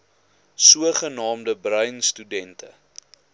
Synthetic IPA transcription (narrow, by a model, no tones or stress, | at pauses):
suəχənɑːmdəbrœɥnstydɛntʰə